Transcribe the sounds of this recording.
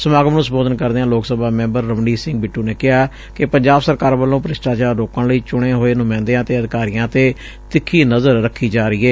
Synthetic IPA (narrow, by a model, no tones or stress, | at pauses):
səmaːɡmnũːsəmboːd̪ənkəɾd̪eːãːloːksəbaːmɛ̃ːmbəɾːəʋɳiːsɪ̃ŋɡbɪʈːũːneːkɪɦaː | kɪpəɲd͡ʒaːbsəɾkaːɾbəlːõːpɾɪsʈaːt͡ʃaːɾoːkãːləiːt͡ʃʊɽ̃ẽːɦoːeːnʊmɛ̃ːnd̪eãːt̪eːəd̪ɪkaːɾijãːt̪eː | t̪ɪkʰːiːnəzəɾːəkʰːiːd͡ʒaːɾəiːeː